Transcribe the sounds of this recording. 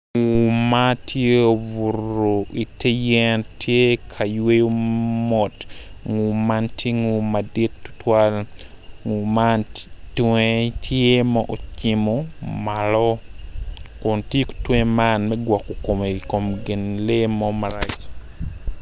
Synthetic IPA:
ŋu˨matʰje˦o˨vu˨ro˨ʔi˨te˦jɛ˦ntʰje˦kʰa˨jwe˦jo˦mɔ˨t | ŋu˨ma˦ntje˦ŋu˨madi˦tːu̥˦tʰwal | ŋu˨mantwe˦tʰje˦mɔ˦ʔo˨t͡ʃɪ˦mɔmalɔ˦ | kʊ˨ntje˦ktwẽ˦ma˦nmɛ˦ɡwɔ˨ko˨ko˨me˨ko˨mɡɪ˨nle˦mɔ˦ma˨ɾat͡ʃ

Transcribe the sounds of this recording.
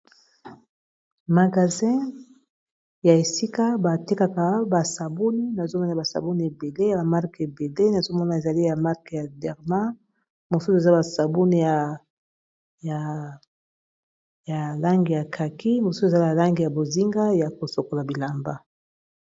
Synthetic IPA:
ma˨ɡa˨zɛ̃˦ | ja˨e˨si˦ka˦ba˨te˦ka˨ka˨ba˨sa˨bu˦ni˦na˨zo˦mɔ˦na˨ba˨sa̰˨bu˦ni˨e˨be˨le˦˨ba˨ma˦ʁke˨be˨le˦na˨zo˦mɔ˦na˨e˨za˨li˦ja˨ma˦ʁkja˨dɛ˨ʁmã˦ | mo˨su˦se˨za˦ba˨sa˨bu˦ni˨ja˨ | ja˨ | ja˨la˦ŋɡi˨ja˨kʰa˨ki˦mo˨su˦se˨a˦ba˨la˦ŋɡi˨ja˨bo˨zi˦ŋɡa˦ja˨ko˨so˨ko˨la˨bi˨la˨mba˦

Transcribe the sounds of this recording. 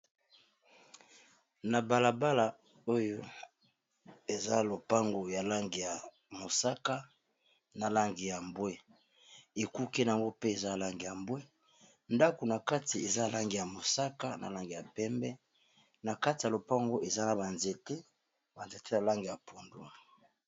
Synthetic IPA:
na˨ba˨la˨ba˦la˨ | o˦jo˦ | e˨za˦lo˨pa˦ŋɡo˨ja˨la˦ŋɡi˨ja˨ | mo˨sa˦ka˦ | na˨la˦ŋɡi˨ja˨mbwe˦ | e˨ku˦ke˦n˨a˨ŋɡo˦pe˦e˨za˦˨la˦ŋɡi˨ja˨mbwe˦ | nda˦ko˨na˨ka˦ti˨e˨za˦˨la˦ŋɡi˨ja˨mo˨sa˦ka˦na̰˨la˦ŋɡi˨ja˨pɛ˦mbɛ˦ | na˨ka˦ti˨ja˨lo˨pa˦ŋɡo˦ʔe˨za˦na˨ba˨nze˨te˦ | ba˨nze˨te˦ja˨la˦ŋɡi˨ja˨pʰo˨ndwa˦˨

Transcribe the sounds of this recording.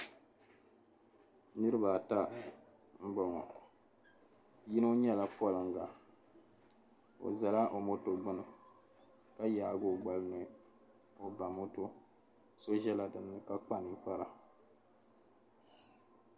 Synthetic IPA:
nɨ˦ɾɨ˦ba˨ta˦ | m̩˦ɡ͡bɔ˨ŋɔ̰˨ | ji˦no˦ɲɛ˦la˦pɔ˦˨lɨ˨ŋ̩˦ɡa˨ | o̰˨za˨la˦ʔo˨mo˦to˨ɡ͡bʊ˦nɨ˨ | ka˦jaː˨ɡʊ˦ɡ͡ba˨lɨ˦nɨ˨ | o˨ba˨mo˦to˦ | so˦ʒɛ˦la˨dɨ˨nːɨ˦˨ka˦k͡pa˦ni˦k͡pa˦la˨

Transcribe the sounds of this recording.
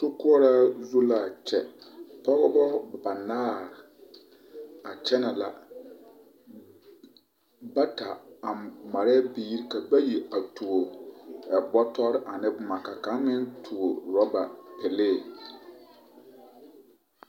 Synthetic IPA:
to˦kʊ˦ɔ˦ɾa˦zu˦la˦a˨t͡ʃʰɛ˨pʰɔ˦ɡɔ˦bɔ˦ba˨naː˦˨ | a˨t͡ʃʰɛ˦nã˨la̰˨ | ba˦tʰa˨a˨ma˨ɾɛ˦biː˦ɾka˨bɛ˦ji˨a˨tʰu˨o˨ɛ˨bɔ˦tʰɔ˦ɾʔa˨nɪ̃˦bʊ˨mã˨ka˨kã˨˦mɪ̃˦ntʰu˨o˨ɾɔ˦ba˨pʰɛ˨leː˦˨

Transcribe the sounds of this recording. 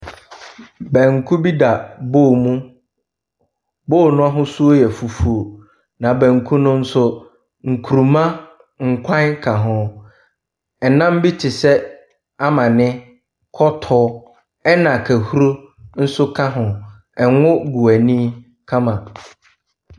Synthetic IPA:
bɛ̃˨ŋ̩˨kʰu˦bi˦da˨boː˦˨mũ˦ | boː˦˨nʊ̃˦a˦ɦʊ̃˦su˦o˦jɛ˨fu˨fu˨o˨ | nã˨bɛ̃˨ŋ̩˨kʰũ˦nʊ̃˦n̩˦sʊ˦ | ŋ̩˨kʰu˨ɾu˨mã˦ | ŋ̩˨kʷʰã˦nkʰa˨ɦʊ̃˨ | ɛ˨nã˦m˦bi˦tʰɪ˨sɛ˦ | a˦mã˨nɪ̃˦ | kʰɔ˦tʰɔː˦ | ɛ˦nã˨kʰæ˨hu˦ɾo˦ | n̩˦sʊ˦kʰa˦ɦʊ̃˨ | ɛ˨ŋ˦ʊ̃˦ɡu˨æ˨nĩ˦ | kʰã˦mã˨

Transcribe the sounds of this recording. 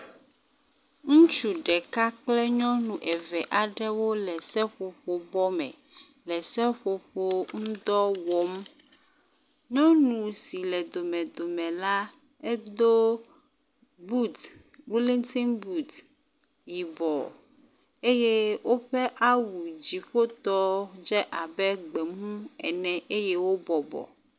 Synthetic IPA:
ŋũ˦t͡ʃu˨ɖɛ˨ka˦k͡plɛ˦ɲɔ̃˦nũ˨ʔɛ˨vɛ˨ʔa˨ɖɛ˦wo˦lɛ˨sɛ˦ɸo˨ɸo˨bɔ˦mɛ̰̃˨ | lɛ˨sɛ˦ɸo˨ɸo˦ŋ̩̃˦d̪ɔ˦wɔ˦m | ɲɔ̃˦nũ˨si˨lɛ˨d̪o˨mɛ̃˨d̪o˨mɛ̃˨la˦ | ɛ˦d̪o˦ | bu˦t̪ | wi˦lĩ˦ŋti˦nbu˦t̪ | ji˨bɔ̰˨ | e˦je˦wo˦ɸɛ˦ʔa˦wu˨d͡ʑi˨ɸo˦t̪ɔ˦d͡ʒɛ˦ʔa˨bɛ˦ɡ͡bɛ˨mũ˦ɛ˨nɛ̃˨ʔe˦je˦wo˦bɔ˨bɔ̰˨

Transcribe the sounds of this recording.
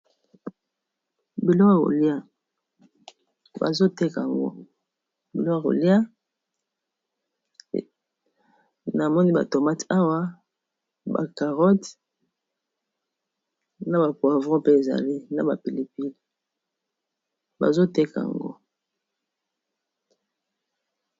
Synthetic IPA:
bi˨lɔ˦ka˨ko̰˨li˦a˦ | ba̰˨zo˦te˦ka˨a˨ŋɡo̰˦ | bi˨lɔ˦ka˨ko̰˨li˦a˦˨ | na˨mɔ˦ni˦ba̰˨to˨ma˦ta˦wa˦ | ba̰˨ka˨ʁɔ˦t | na˨ba˨pwa˨vɔ̃˦pe˦e˨za̰˨li˦na˨ba˨pi˨li˨pi˦d | ba̰˨zo˦te˦ka˨a̰˨ŋ˨ŋɡo̰˦

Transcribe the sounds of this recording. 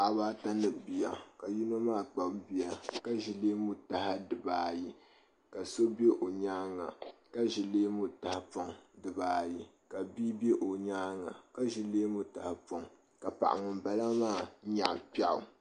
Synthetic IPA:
a˨baː˦ta˦nɨ˨bi˨ja˨ka˨ji˦na˦maː˦˨k͡pa˨bbi˦a˨ka˦ʒi˨leː˦mu˦ta˨ha˦dɨ˨baː˨ji˦ | ka˨so˦be˦ʔo˨ɲaː˦ŋa̰˨ka˦ʒi˨leː˦mu˦˨ta˨ha˦pɔ˦ŋdɨ˨baː˨ji˦ | ka˨bi˦be˦ʔo˨ɲaː˦ŋa˨ka˦ʒi˨leː˦mu˦ta˨ha˨po˨ŋ | ka˨pa̰˨ʔa̰˨ŋʊ˨mba˦la˦maː˦˨˦ɲa̰˨ʔpa˦ʔʊ̰˨

